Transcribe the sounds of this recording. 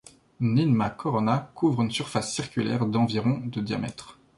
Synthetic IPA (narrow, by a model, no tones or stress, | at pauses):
ninmakʰɔʁɔnakʰuvʁynsyʁfasːiʁkʲylɛ̰ʁd̪ɑ̃viʁɔ̃d̪əd̪ja̰mɛ̰t̪χ